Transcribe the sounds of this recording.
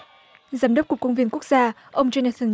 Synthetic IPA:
zaː˨˦mɗə˦˥k͡p̚kʊ˨˩kːə˧wŋ͡mvi˧ənku˦˥ək̚zaː˧ | ʔə˧wŋ͡mzɔ˧na˧t̪ʰə˧n

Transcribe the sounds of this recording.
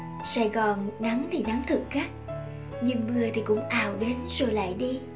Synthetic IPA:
saː˧˩jɣɔ˨˩nna˨˦ŋt̪ʰi˨˩na˨˦ŋt̪ʰɨ˨˩k̚xaː˦˥k̚ | ɲɨ˨˩ŋmɨ˨˩ət̪ʰi˨˩kʊ̰˧˥ŋ͡mʔaː˨˩wɗe˨˦nz̥o˨˩jla̰ː˧˨jɗi˧

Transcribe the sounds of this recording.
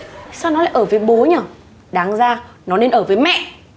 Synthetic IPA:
saː˧wnɔ˨˦la̰ː˧˨ʔəː˧˩vəː˨˦jɓo˨˦ɲəː˧˩ | ɗaː˨˦ŋzaː˧˩nɔ˨˦ne˧nʔəː˧˩vəː˨˦jmɛ̰˧˨ʔ

